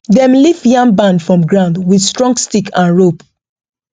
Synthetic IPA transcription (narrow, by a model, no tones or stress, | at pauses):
dɛ̃mlifjãŋbãndfɹɔ̃mɡɹãʊ̃ndwidstɹɔ̃ŋɡstikʰãnɹop